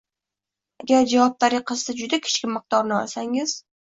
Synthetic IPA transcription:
aɡʲaɾd͡ʒavɒp̚t̪ʰaɾɪqʰɨz̥t̪ad͡ʒʊd̪akʲʰɪ̥t͡ʃkʲɪmɨq̚t̪ɒɾnɪɒ̰lsaŋɪz̥

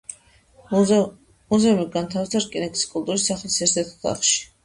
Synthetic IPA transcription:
muzɛumiɡant̪ʰavisʰaɾkʼinɛkʼi̥skʼult̪ʼuɾisːaχlisɛɾsʰɛt̪ʰɔ̥t̪ʰa̰χʃi̥

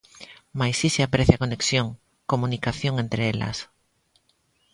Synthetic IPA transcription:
majsiseapɾeθjakoneksjoŋ | komũnikaθjõŋent̪ɾeela̰s

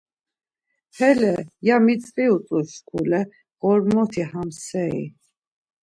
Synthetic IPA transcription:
hʰɛlɛjamit͡sʼχʼiut͡sʼuskʰulɛ | ɣɔɾmɔt̪ʰihamsɛḭ

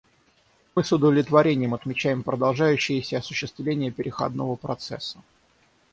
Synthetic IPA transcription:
mɨsʊd̪əvlʲɪt̪vɐɾʲenʲɪjəmɐt̪mʲɪt͡ɕæjɪmpɾəd̪ɐlˠʐajʉɕːɪjəsʲəɐsʊɕːɪst̪vlʲenʲɪjəpʲɪɾʲɪxɐ̰d̪novəpɾɐt̪sɛsːə̥

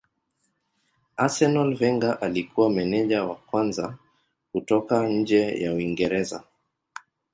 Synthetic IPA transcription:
asɛnɔlvɛŋɡaʔalikuwamɛnɛʄawakwanza | kutɔkaɲ̩d͡ʒɛja̰uiŋɡɛɾɛza

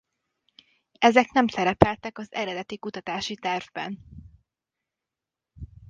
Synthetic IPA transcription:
ɛzɛknɛmsɛɾɛpɛlt̪ɛkɒzɛɾɛd̪ɛt̪ikut̪ɒt̪aːʃit̪ɛrvbɛ̰n

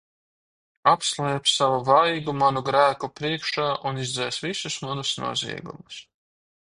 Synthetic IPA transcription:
apslˠɛːpsavuvajɡumanuɡɾæːkupɾiɛkʃaːʔunizd̪zɛːsvisusmanusnṵɔzḭɛɡṵmus

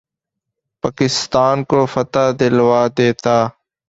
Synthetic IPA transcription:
paːkɪst̪aːnkoːfət̪aːd̪ɪlʋaːd̪eːt̪aː

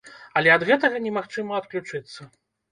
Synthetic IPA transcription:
ɐlʲɛɐd̪ɣɛt̪ɐɣɐnʲɛmaxt͡ʂɨmɐɐt̪klʲut͡ʂɨt̪sːɐ

